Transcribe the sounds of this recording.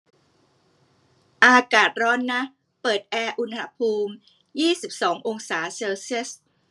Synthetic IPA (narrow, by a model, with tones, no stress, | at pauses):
ʔaː˧kaː˨˩t̪̚ɾɔː˦˥nːa˦˥ʔ | pɤː˨˩t̪̚ʔɛː˧ʔu˧nha˧˥pʰuː˧m | jiː˥˩si˨˩p̚sɔː˩˦ŋʔo˧ŋsaː˩˦seː˧wsi˦˥˩ə˨s